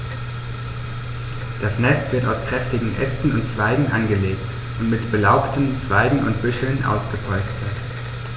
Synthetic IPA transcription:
d̥asnɛstv̥ɪɐtaʊskʁ̥ɛftɪɡŋ̩ʔɛ̰stn̩ʊntt͡sv̥aɪɡŋ̩ʔanɡəleːkt | ʔʊntmɪtb̥əlaʊptʰəmt͡sv̥aɪɡŋ̩ʔʊ̰ntb̥ʏʃl̩nʔa̰ʊsɡ̥əpʰɔlt͡stʰɐt

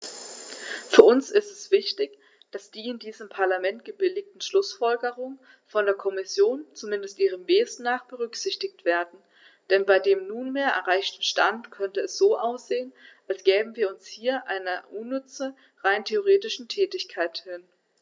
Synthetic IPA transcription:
fyːɐʔʊnsɪstɛsv̥ɪçtɪç | d̥asd̥iːɪndiːzəmpʰaɐlamɛntɡ̥əbɪlɪç̚tn̩ʃlʊsfɔlɡəʁʊŋən | fɔndeːɐkʰɔmɪsjoːnt͡sumɪndəstʔiːʁ̞əmveːzn̩ːaːχb̥əʁʏkz̥ɪçtɪçtv̥eːɐdn̩ | d̥ɛnbaɪdeːmnuːnmeːɐʔɛ̰ɐʁaɪçtn̩ʃtantkʰœntəɛsz̥oːʔaʊsz̥eːənʔalsɡ̥ɛːbm̩viːɐʊnshiːɐʔaɪnɐʔunːʏt͡sə | ʁaɪntʰeoʁ̞eːtɪʃn̩tʰɛːtɪçkʰaɪthɪn

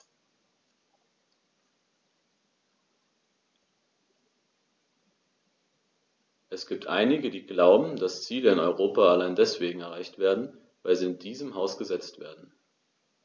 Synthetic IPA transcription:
ʔɛsɡ̥iːp̚tʰʔa̰ɪnɪɡədiːɡlaʊbm̩d̥ast͡siːləɪnɔʏʁ̞oːpaalaɪndɛsv̥eːɡŋ̩ɛɐʁ̞aɪçtv̥eːɐdn̩ | vaɪlziːɪndiːzəmɦaʊsɡ̥əzɛt͡stv̥ḛːɐdn̩

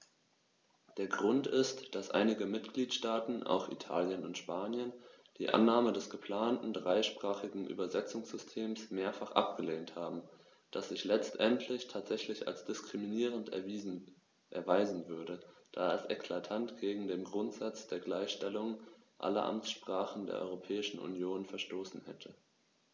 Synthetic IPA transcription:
d̥eːɐɡʁʊntɪstd̥asʔa̰ɪnɪɡəmɪtɡ̥liːtʃtaːtn̩ʔa̰ʊxḭtʰa̰ːljənʊntʃpaːnjən | d̥iːʔa̰nːaːmədɛsɡ̥əpʰl̥aːntn̩dʁaɪʃpʁ̥aːχɪɡŋ̩ʔy̰ːbɐzɛt͡sʊŋsz̥ʏstʰeːmsmeːɐfaχʔa̰p̚ɡ̥əleːnthaːbm̩ | d̥asz̥ɪçlɛt͡stʔɛntʰlɪçtʰaːtz̥ɛçlɪça̰lsd̥ɪskʁ̥iminiːʁ̞ənt | ʔɛɐvaɪzn̩vʏɐdəd̥aːalsʔɛkʰlatʰantɡ̥eːɡŋ̩deːmɡʁʊntz̥at͡sd̥eːɐɡlaɪçʃtɛlʊŋənʔa̰lɐ̰ʔa̰mt͡sʃpʁ̥aːχn̩dḛːɐʔɔ̰ʏʁopʰɛːɪʃn̩ʔṵnjoːnfɛɐʃtoːsn̩hɛtʰə

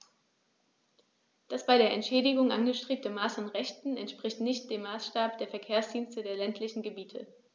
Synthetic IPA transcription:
d̥asb̥aɪɾeːɐʔɛntʃɛːɾɪɡʊŋʔanɡəʃtʁ̥eːp̚təmaːsanʁɛçtn̩ɛntʃpʁ̥ɪçtnɪçt̚d̥eːmːaːsʃtaːp̚d̥eːɐfɛɐkʰeːɐsd̥iːnstədeːɐlɛntʰlɪçn̩ɡəbiːtʰə̰

